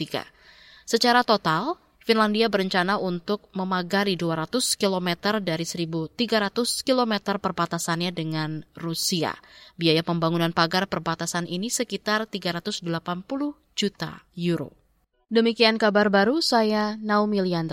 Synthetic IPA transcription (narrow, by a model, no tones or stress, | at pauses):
t̪iɡa̰ | sət͡ʃaɾat̪ot̪al | finlandiabəɾəɲt͡ʃanaunt̪ʊk̚məmaɡaɾiduaɾat̪ʊskilomɛt̪ərdaɾisəɾibut̪iɡaɾat̪ʊskilomɛt̪ərpərbat̪asanɲadəŋanrusia̰biajapəmbaŋunanpaɡarpərbat̪asanʔinisəkit̪art̪iɡaɾat̪ʊsdəlapanpulʊh | d͡ʒut̪a̰juɾo̰ | dəmikiankabarbaɾusajanaumiliand̪